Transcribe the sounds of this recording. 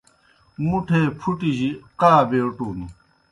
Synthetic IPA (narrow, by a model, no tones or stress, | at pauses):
muʈʰeːpʰuʈiʑiqaːbeːʈuːni